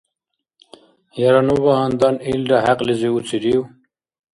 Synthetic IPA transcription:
jaɾanuβaɦand̪anilɾaɦaqliziut͡siɾiw

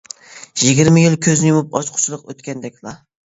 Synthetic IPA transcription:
jɪɡʲiɾmɪjɪlˠkʲʰɵznɪjumupɒt͡ʃqʰʊ̥t͡ʃʰlˠɨqøt̪kʲʰand̪ɛkʲlˠɑ

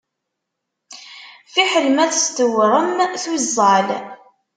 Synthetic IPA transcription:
fiħəlmæθst̪əwɾˤəmθwizˤːɑl

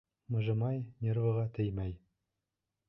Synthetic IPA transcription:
mɤ̆ʒɤ̆mɑjnʲervɤ̆ʁɑt̪ɘ̆jmæj

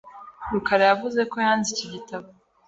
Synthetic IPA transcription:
ɾukaɾejavuze̞ko̞jaːnziciɟitaβo

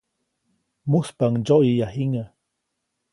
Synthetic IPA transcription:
muspaŋd͡ʒoʔijahiŋə

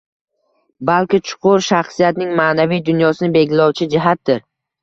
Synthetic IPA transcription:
balkʲɪt͡ʃʰʊ̥qʰʊɾʃaχsijat̪nɪŋmaːnavijd̪ʊnjɒsɪnɪbe̞ɡʲlɒwt͡ʃʰɪd͡ʒɪɦat̪̚d̪ɪɾ

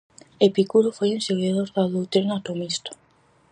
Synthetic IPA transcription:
epikuɾofojenseɣeðoɾðaðowt̪eɾnat̪omist̪o̥

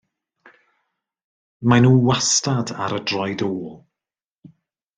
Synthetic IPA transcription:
manuːwastada̰ɾədrɔjdoːlˠ

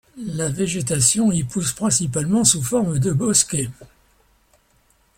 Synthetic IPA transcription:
laveʒet̪asjɔ̃ipuspχɛ̃sipalmɑ̃sufɔʁmd̪əbɔskʲe

